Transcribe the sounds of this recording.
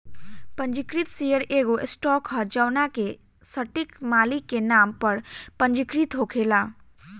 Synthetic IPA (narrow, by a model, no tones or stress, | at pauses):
pə̃ɲd͡ʒɪkɾit̪sijəɽeːɡoʔsʈɔːkɐd͡ʒəwnake | səʈikmaːlikːenaːmpəɽpəɲd͡ʒɪkɾit̪ɦokʰeːlaː